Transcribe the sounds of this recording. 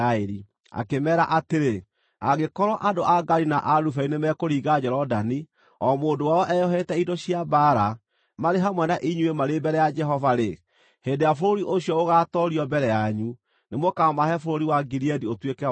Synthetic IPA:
aeɾi | a̰kemɛːɾaʔateɾe | aɣekɔɾɔʔadoʔaɡaɾinaʔaɾufainemɛkoɾiːɣad͡ʒɛɾɔdani | ɔmoːndowaɔʔɛjɔɦɛtɛidɔɕiabaɾa | maɾeɦamwɛnaʔiɲuemaɾebɛɾɛjad͡ʒɛɦɔvaɾe | heːndeafoɾoɾiʔoɕiɔoɣatɔɾiɔbɛɾɛjaɲu | nemwɔkamahɛfoɾoɾiwaɡiɾiɛdiotwekɛ

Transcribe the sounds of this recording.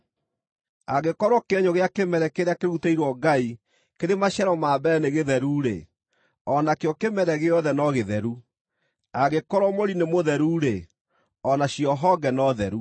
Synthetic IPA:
aɣekɔɾwɔkeɛɲɔɣeakemɛɾɛkeɾeakeɾutaiɾwɔɡai | keɾemaɕaɾɔmaːbɛneɣeðɛɾuːɾḛ | ɔnakeɔkemɛɾɛɣeɔðɛnɔɣeðɛɾu | aɣekɔɾwɔmoɾinemoðɛɾuːɾe | ɔnaɕjɔɦɔɡɛnɔðɛɾu

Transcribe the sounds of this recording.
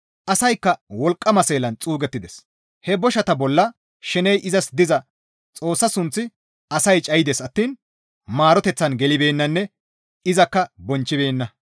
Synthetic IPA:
ʔɐsɐjkːɐwɔlkʼːɐmɐse̞ːlɐnt͡sʼuːɡɛt̪ːɪd̪ɛs | hɛbɔʃɐt̪ɐbɔlːɐ | ʃɛnɛjʔɪzɐsd̪ɪzɐ | t͡sʼo̞ːsːɐsʊnt͡sːɪ | ɐsɐjt͡ʃʼɐjɪd̪esɐt̪ːiːn | maːɾɔt̪ɛt͡sːɐnɡɛlɪbe̞ːnːɐnːɛ | ɪzɐkːɐbɔnt͡ʃːɪbe̞ːnːɐ

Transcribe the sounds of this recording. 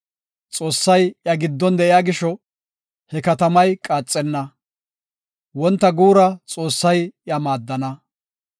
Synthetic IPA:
t͡sʼo̞ːsːɐjjɐɡɪd̪ːɔnd̪ɛʔɪjaːɡɪʃɔ | hɛkɐt̪ɐmɐjkʼaːt͡sʼːɛnːɐ | wɔnt̪ːɐɡuːɾɐt͡sʼo̞ːsːɐjjɐmaːd̪ːɐnɐ

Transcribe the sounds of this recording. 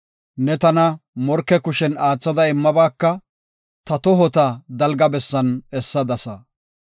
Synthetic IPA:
nɛt̪ɐnɐmɔɾkːɛkʊʃɛnaːt͡sːɐd̪ɐɪmːɐbaːkːɐ | t̪ɐt̪ɔɦɔt̪ɐd̪ɐlɡɐbɛsːɐnɛsːɐd̪ɐsɐ

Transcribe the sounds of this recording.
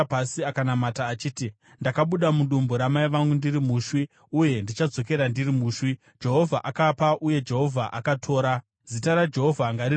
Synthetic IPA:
pasiakanamataːt͡ʃiːti | ndakaɓuɗamuɗumboɾamaiʋaŋɡundiɾimuːʃwi | uje̞ndit͡ʃad͡zo̞k̬e̞ɾandirimuːʃwi | d͡ʒe̞ɦo̞vʱaʔakapaʔuje̞d͡ʒe̞ɦo̞vʱaʔakatʰo̞ːɾa | zitaɾad͡ʒe̞ɦo̞vʱaŋɡaɾi

